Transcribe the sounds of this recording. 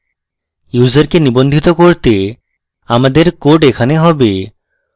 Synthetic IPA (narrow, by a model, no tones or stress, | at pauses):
juzaɾkenibond̪ʱit̪okoɾt̪e | amad̪eɾkoɖekʰaneɦɔbe